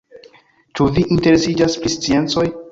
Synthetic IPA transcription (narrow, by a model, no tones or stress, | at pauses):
t͡ʃuviʔinte̞ɾe̞sid͡ʒaspɾist͡sie̞nt͡so̞j